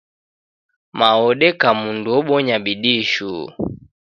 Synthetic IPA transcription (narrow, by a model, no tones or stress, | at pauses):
maɔɗɛkamundɔɓɔɲabiɗiʃṵ